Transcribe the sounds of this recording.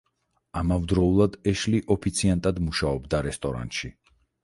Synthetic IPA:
amavd̪ɾɔulˠad̪ɛʃliʔɔpʰit̪sʰiant̪ʼad̪muʃaɔbd̪aɾɛst̪ʼɔɾa̰nt̪ʼʃi

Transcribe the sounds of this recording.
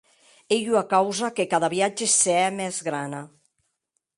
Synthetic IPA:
eʎuakawzakekaðaβiad͡ʒeseɛmɛzɣɾana

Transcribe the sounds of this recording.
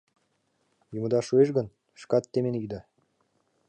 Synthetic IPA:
jumə̆d̪ɑʃueʃ̬ɡə̆n | ʃkɑt̪ːemenid̪ɑ

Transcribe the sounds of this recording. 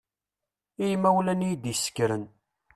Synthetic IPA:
ijmæwlænijd̪jəsːə̥kɾən

